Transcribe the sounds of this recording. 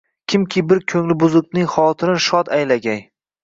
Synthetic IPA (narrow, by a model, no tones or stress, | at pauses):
kʲʰɪmkʲʰɪbɪɾkʲʰɵŋlɪbʊzʊknɪŋχɒt̪ʰɪɾɪnʃɒd̪ajlaɡʲaj